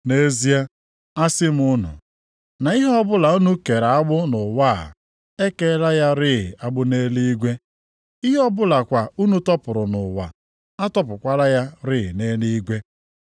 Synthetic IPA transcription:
ne˦zi˦a˦ | a˦sɪ˦m̩˦ʊ˦nʊ̰˨ | na˨i˦ɦɔ˦bʊ˦la˨u˦nu˦ke˨ɾa˨a˦ɡ͡bʊ˦nʊ˨wa˦˨ | e˦ke˦la˦ja˦ɾɪ˦˨a˦ɡ͡bʊ˦ne˦li˦i˦ɡʷe˦ | i˦ɦɔ˦bʊ˦la˨kʷa˨u˦nu˦tɔ˦pʊ˨ɾʊ˨nʊ˨wa̰˨ | a˦tɔ˦pʊ˨kʷa˦la˦ja˦ɾɪ˦˨ne˦li˦i˦ɡʷe˦

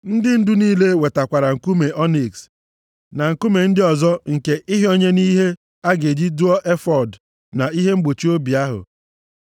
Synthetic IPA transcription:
n̩˦dɪ˦n̩˦dʊ˦niː˦le˦we˨ta˨kʷa˨ɾa˨ŋ̩˨ku˦me˨ʔɔ˦ni˨ks | na˨ŋ̩˨ku˦me˨n̩˦dɪ˦ɔ˨zɔ˦ŋ̩˨ke˦ʔɪ˦ɦe˦o˦ɲe˦ni˦ɦe˦ | a˦ɡe˨d͡ʒi˦du˦ɔ˦ʔe˦fɔ˨d | na˨i˦ɦe˦ŋ͡m̩˦ɡ͡bo˨t͡ʃi˦o˦bi˨a˦ɦʊ̰˨

